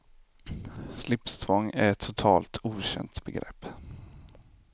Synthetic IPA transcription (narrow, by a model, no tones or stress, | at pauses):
slɪpst̪ʰvɔŋːæɾɛt̪ʰːʊt̪ʰɑːlt̪ʰuːɕɛ̰nt̪bɛɡɾɛ̰pː